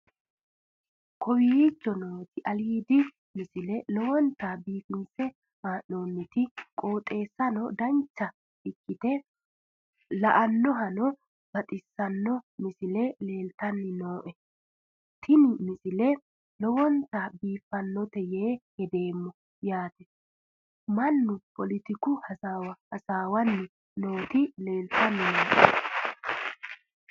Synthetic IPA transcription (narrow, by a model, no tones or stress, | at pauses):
kʰɔwijit͡ʃːɔnoːt̪ɪʔɐliːd̪ɪ | mɪsɪlɛlɔwɔnt̪ːaːbiːfɪnsɛ | maːnːo̞ːnːɪt̪ɪkʼo̞ːt̪ʼe̞ːsːɐnɔ̰d̪ɐnt͡ʃːɐ | ɪkːɪt̪ɛ | lɐʔɐnːɔɦɐnɔ | bɐt̪ʼɪsːɐnːɔmɪsɪlɛle̞ːlt̪ɐnːɪno̞ːʔɛ | t̪ʰɪnɪmɪsɪlɛ | lɔwɔnt̪ɐbiːfːɐnːɔt̪ɛjeːhɛd̪e̞ːmːɔ | jaːt̪ɛ | mɐnːʊpɔlɪt̪ɪkʊhɐwhɐsaːwɐnːɪ | no̞ːt̪ɪle̞ːlt̪ɐnːɪnoːʔɛ